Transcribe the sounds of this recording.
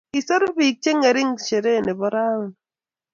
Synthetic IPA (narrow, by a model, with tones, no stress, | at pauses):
i˨so˦ɾbi˨k̚t͡ʃe˦ŋe˨ɾi˦ŋʃe˨ɾe˦˨ne˨bɔ˦ɾa˦˨n